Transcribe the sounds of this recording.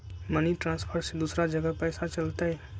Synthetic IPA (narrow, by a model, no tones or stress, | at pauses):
məniʈɾãspʰəɾsed̪uːsɾad͡ʒəɡəpəɪsat͡ʃəlt̪aɛ